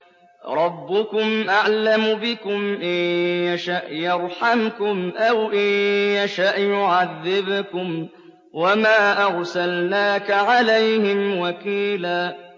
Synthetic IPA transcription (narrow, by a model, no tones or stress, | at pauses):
ɾˤɑbːʊkʊmʔaʕlamʊbɪkʊmʔɪjjaʃaʔjɑɾˤħamkʊmʔawʔɪjjaʃaʔjʊʕaðːɪbkʊm | wamaːʔaɾˤsalnaːkaʕalajhɪmwakiːlaː